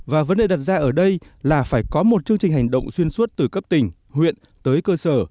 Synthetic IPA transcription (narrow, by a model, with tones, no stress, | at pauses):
vaː˨˩və˨˦nɗe˨˩ɗa˨˩t̚zaː˧ʔəː˧˩ɗə˧jlaː˨˩faː˧˩jkɔ˨˦mo˨˩t̚t͡ɕɨ˧əŋt͡ɕï˨˩ŋ̟ɦa˨˩jŋ̟ɗə̰˧˨wŋ͡mswi˧ənsu˦˥t̚t̪ɨ˨˩kə˦˥p̚t̪ï˨˩ŋ̟ | hwḭ˧˨ən | t̪əː˨˦jkəː˧səː˧˩